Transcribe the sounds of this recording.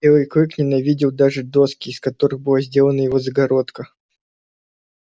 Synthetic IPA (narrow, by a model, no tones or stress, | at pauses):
elˠɨjkɾɨknʲɪnɐvʲidʲɪlˠd̪aʐɨd̪o̞skʲɪːskɐt̪o̞ɾɨɣbɨlˠazʲdʲe̞lˠənəjɪvo̞zəɡɐɾo̞t̪kə